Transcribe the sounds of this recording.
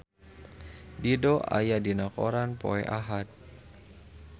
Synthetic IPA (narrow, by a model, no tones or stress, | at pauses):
didɔʔa̰jadinakɔ̰ɾanpo̰ɛʔaɦat̪̚